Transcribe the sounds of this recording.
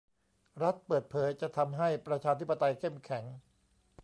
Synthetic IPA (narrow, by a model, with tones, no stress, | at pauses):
ɾa˦˥t̪̚pɤː˨˩t̪̚pʰɤː˨˦jt͡ɕa˨˩ʔt̪ʰa˧mɦa˥˩jpɾa˧t͡ɕʰaː˧t̪ʰi˦˥pːa˧t̪a˧jkʰe˥˩mkʰɛ˩˦ŋ